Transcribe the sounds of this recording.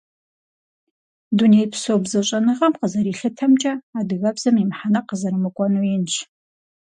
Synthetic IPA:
dunejpsoːbzɐɕʼɐnɨʁɐmqəzɐɾiːɬɨtʰɐmt͡ʃʼɐaːdɨɣɐbz̥ɐmimħanɐqəzɐɾɨmɨkʷʼɔnuɪnt͡ʃʰ

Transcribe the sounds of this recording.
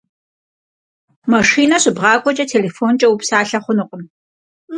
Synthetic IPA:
mɐʂiːnɐɕɪbʁɑːkʷʼɔt͡ʃʼɐtʰeːleːfoːnt͡ʃʼɐwupsaːɬɐχʷʊnɨqʷʼʊm

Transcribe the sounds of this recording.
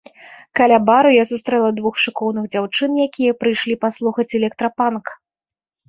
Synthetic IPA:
kalʲabaɾujasust̪ɾɛlˠɐd̪vuxʂɨkɔwnɨɣd͡zʲawt͡ʂɨnjakʲijɐpɾɨjʂlʲipaslˠuxɐt͡sʲɛlʲɛk̚t̪ɾɐpank

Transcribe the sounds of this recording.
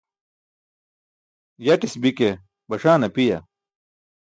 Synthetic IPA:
jɐʈisbike | bɐʂaːnɐpijɐ̰

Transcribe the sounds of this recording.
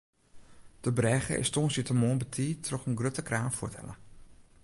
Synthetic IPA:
d̥əbrɛxə̰ʔɪ̰stonsitəmoːnbətʰiːtʰrɔxənɡrøtəkraːnfutʰɛ̰lə̰

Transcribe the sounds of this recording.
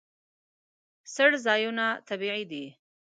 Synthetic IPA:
səɽzɑjunat̪abiʕid̪i

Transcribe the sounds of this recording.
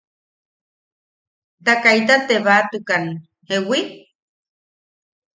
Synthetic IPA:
t̪akajt̪at̪eβat̪ɨkan | ewi

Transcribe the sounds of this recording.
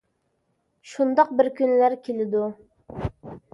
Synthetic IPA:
ʃund̪ɑq̚bɪɾkʲynlæɾkʲʰelɪd̪u

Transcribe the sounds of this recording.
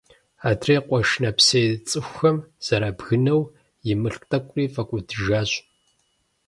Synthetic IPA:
aːdreːqʷʼɔʃnɐpseːt͡sʼɨxʷxɐmz̥ɐɾabɣɨnɐw | jɪmɨɬkʼtʼɐkʷʼriːfɐkʷʼʊdɨʒaːɕ

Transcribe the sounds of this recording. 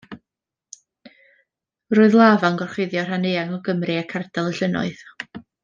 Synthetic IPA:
roːɨðlˠaːvanɡɔrχwɪðjɔr̥hanejaŋɔɡəmrɨakʰardɛlˠəɬənɔ̰ɨð̥

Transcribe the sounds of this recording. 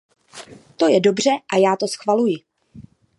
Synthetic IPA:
t̪o̞jɛdo̞br̝ɛʔajaːt̪o̞sxvalujɪ

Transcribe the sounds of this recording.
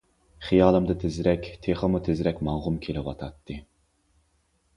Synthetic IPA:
χijɑːlˠɨmd̪ɨt̪ʰɪzɾɛkʲt̪ʰeχəmut̪ʰɪzɾɛkʲmɑŋʁʊmkʲʰelɪwɑt̪ʰɑt̪ʰːɨ

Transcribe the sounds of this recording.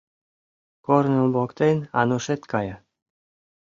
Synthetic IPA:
koɾnulbokt̪enɑ̰nuʃet̪kʰɑjɑ

